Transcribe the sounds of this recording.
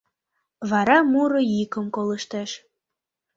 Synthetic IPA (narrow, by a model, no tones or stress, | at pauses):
βɑɾɑmuɾɤ̆jikə̆mkoləʃt̪eʃ